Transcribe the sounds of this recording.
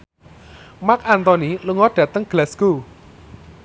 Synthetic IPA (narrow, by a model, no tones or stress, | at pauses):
makant̪ɔniluŋɔɖ̥ä̤t̪əŋɡ̥lɛsku